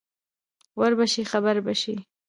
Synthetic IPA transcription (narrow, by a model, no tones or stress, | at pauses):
waɾbaʃixabaɾbaʃi